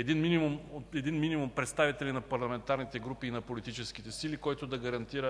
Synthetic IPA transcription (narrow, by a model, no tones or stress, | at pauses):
ɛd̪inminimumoɛd̪inminʲimumpɾɛt̪st̪avit̪ɛlinɐpɐɾlˠɐmɛnt̪aɾnit̪ɛɡɾupiːnɐpolit̪it͡ʃɛskit̪ɛsilikɔjt̪ʊd̪ɐɡɐɾɐnt̪iɾə